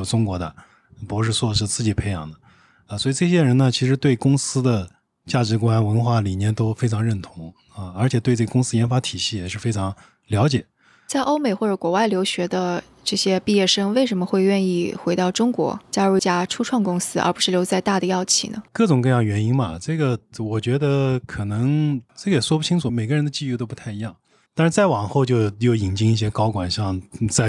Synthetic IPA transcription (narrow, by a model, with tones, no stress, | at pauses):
o˨˩ʈ͡ʂʊ˥ŋkwɔ˧˥d̪ə̰˧˩ | pu˧˥kɔ˥˩ʂɻ̩˥˧t͡swɔ˥˧ʂ̬ɻ̩˥˧t͡sɹ̩˥˩t͡ɕi˨˩pʰe˥ɪjɑ̰˨˩ŋd̪ə˦˧˩ | swɔ˧˥i˨˩ʈ͡ʂɤ˥˩ɕ̬jɛ˥ɻə˧˥nə˧t͡ɕʰi˧˥ʂɻ̩˧˥t̪we˥˩ɪkʊ˥ŋsɹ̩˥d̪ə˨ | t͡ɕja˥˩ʈ͡ʂɻ̩˧˥ku˧˥a˥˩nwə˧˥nxwa˥˩li˨˩njɛ˥˩nt̪o˥ʊfe˥ɪʈ͡ʂʰɑ˧˥ŋɻə˥˩nt̪ʰʊ˧˥ŋ | ə˧ə˞˧˥t͡ɕʰjɛ˨˩t̪wɤ˥˩ɡə˧kʊ˥ŋsɹ̩˥jɛ˧˥nfa˧˥t̪ʰi˨˩ɕi˥˩jɛ˨˩ʂɻ̩˥˩fe˥ɪʈ͡ʂʰɑ˧˥ŋ | ljɑ˧˥ʊt͡ɕjɛ˨˩˦ | t͡sa˥˩ɪʔo˥ʊme˨˩ɪxwɔ˥˩ʈ͡ʂə˧˩kwɔ˧˥wa˥˩ɪljo˧˥ʊɕɥɛ˧˥d̪ə˧ | ʈ͡ʂɤ˥˩ɕjɛ˥pi˥˧jɛ˥˩ʂɤ˥ŋwe˥˩ɪʂə˧˥nmə˧xwe˥˧ɪɥɛ˥˧ni˥˩xwe˧˥ɪt̪ɑ˥˩ʊʈ͡ʂʊ˥ŋkwɔ̰˧˥t͡ɕja˥ɻu˥˩t͡ɕja˥ʈ͡ʂʰu˥ʈ͡ʂʰwɑ˥˩ŋkʊ˥ŋsɹ̩˥ʔə̰˞˧˥pu˧˥ʂɻ̩˥˩ljo˧˥ʊt͡sa˥˧ɪt̪a˥˩d̪ə˩jɑ˥˩ʊt͡ɕʰḭ˥˩nə̰˩kɤ˥˩ʈ͡ʂʊ˨˩ŋkɤ˥˧jɑ˥˩ŋɥɛ˧˥ni˥ŋbɐ̰˨˩ʈ͡ʂɤ˥˩ɡə˩wɔ˨˩t͡ɕɥɛ˧˥d̪ə˧kʰɤ˨˩nɤ˧˥ŋʈ͡ʂɤ˥˩ɡə˩jɛ˨˩ʂwɔ˥pu˥˩t͡ɕʰi˥ŋʈ͡ʂʰu˨˩me˨˩ɪɡə˦ɻə˧˥nd̪ə˧t͡ɕi˥˧y˥˩t̪o˥ʊpu˧˥t̪ʰa˥˩ɪi˧˥jɑ˥˩ŋ | t̪a˥˧nʂɻ̩˥˧˩t͡sa˥˩ɪwɑ˨˩ŋxo˥˧ʊt͡ɕjo˥˧ʊjo˥˩ʊi˨˩ŋt͡ɕi˥ŋi˥˩ɕjɛ˥kɑ˥ʊkwa˨˩nɕjɑ˥˧ŋt͡sa˥˩ɪ